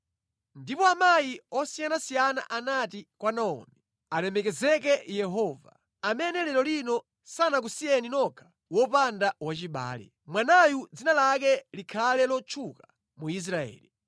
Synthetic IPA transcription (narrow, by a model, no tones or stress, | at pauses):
ndipɔamajiɔsijanasijana̰ʔanatikwanaɔ̰ːmɛ | alɛmɛkɛzɛk̬ɛjɛɦɔva̰ | amɛnɛlɛlɔlinɔ | sanak̬usijɛninɔkʰḁ | wɔpandawat͡ʃiɓa̰ːlɛ̰ | mwanajud͡zinalakɛlikʰalɛlɔt͡ʃʰuka | muis̬ɾaɛ̰ːli